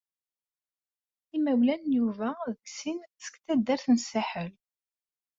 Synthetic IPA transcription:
imæwlænjuvæðəksinsə̥kt̪æd̪ːæɾθnsaħəl

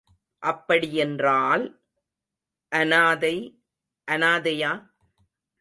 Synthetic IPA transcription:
ʔɐpːɐɽiɛndraːl | ʔɐnaːðɐɪ | ʔɐnaːðɐjaː

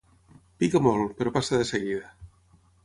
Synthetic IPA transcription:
pikamolpeɾopasaðeseɣiða

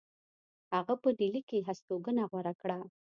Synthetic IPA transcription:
haɣapəɖilikeɦast̪oɡənaɣwaɾakɽa

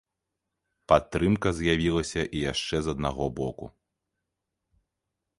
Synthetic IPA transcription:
pat̪ːɾɨmkɐzʲjavʲilˠɐsʲɐʔijaʂt͡ʂɛzɐd̪̚naɣɔbɔku

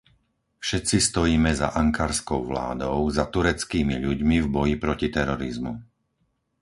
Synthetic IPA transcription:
fʃɛt̪t͡sist̪ɔjiːmɛza̰ʔaŋkaːɾskɔʊʋla̰ːd̪ɔʊzat̪uɾɛt͡skiːmiʎuɟmivbɔjipɾɔcit̪ɛɾɔɾizmu

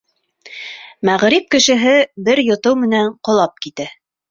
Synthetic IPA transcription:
mæʁɾip̚kɘ̆ʃɘ̆ɦɘbɘɾjŏt̪ɤwmɘ̆næɴqŏlˠɑp̚kit̪ɘ

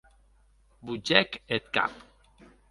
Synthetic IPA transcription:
bud͡ʒɛket̪ka̰p

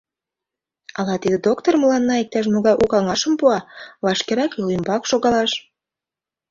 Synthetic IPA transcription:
ɑlɑt̪id̪ĕd̪ok̚t̪orməlɑnːɑik̚t̪ɑʃ̬moɣɑjʔukɑŋɑʃə̆mpuɑβɑʃkeɾɑkilimbɑkʃoɣɑlɑʃ

